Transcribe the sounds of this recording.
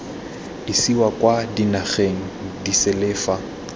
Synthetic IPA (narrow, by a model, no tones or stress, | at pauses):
disiwakʼwadinaɣeŋ̩disɛlɛːfa